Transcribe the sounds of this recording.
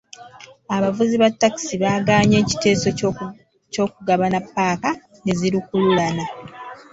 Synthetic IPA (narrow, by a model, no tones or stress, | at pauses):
aβavuziβatːaki̥siβaːɡaːɲe̞ːci̥te̞ːso | co̞ːkuɡaβanapːaːka | ŋeziɾukululana